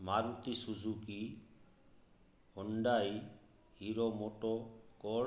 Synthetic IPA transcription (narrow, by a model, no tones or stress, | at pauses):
maɾut̪isud͡ʒuki | hɔɳɖaːi | hiɾɔmoʈɔkɔ